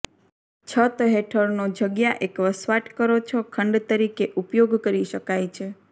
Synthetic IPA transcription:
t͡ʃʰət̪ɦeʈʰəɾnod͡ʒəɡjaʔekʋəsʋaʈkəɾot͡ʃʰokʰəɳɖt̪əɾikeʔupjoɡkəɾiʃəkajt͡ʃʰe

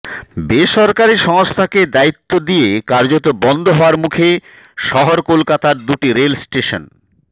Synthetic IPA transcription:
beʃɔɾkaɾiʃɔŋost̪ʰaked̪ait̪ːod̪ijekaɾd͡ʑot̪obɔnd̪ʱoɦɔaɾmukʰe | ʃɔɦoɾkolkat̪aɾd̪uʈiɾelsʈeʃon

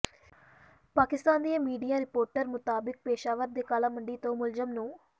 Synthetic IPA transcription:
paːkɪst̪aːnd̪ijãːmiːɖijaːɾɪpoːɾʈəɾmʊt̪aːbɪk̚peːʃaːʋəɾd̪eːkaːlãːməɳɖiːt̪õːmʊlzəmnũː

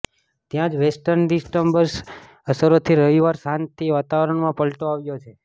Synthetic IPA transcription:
t̪jãd͡ʒʋesʈəɾnɖisʈəmbəɾs | əsəɾot̪ʰiɾəʋiʋaɾsãnt̪ʰiʋat̪aʋəɾəɳmãpəlʈoaʋjot͡ʃʰe

